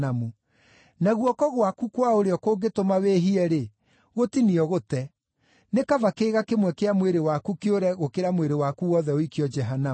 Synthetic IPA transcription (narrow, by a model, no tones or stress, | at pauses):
amu | naɣwɔkɔɣwakukwaoɾeɔkoɡetomaweːɦiɛɾe | ɣotiniɔɣotɛ | nekavakeːɣakemwɛkeamweɾewakukeoɾɛɣokeɾamweɾewakuwɔðɛoikiɔd͡ʒɛɦana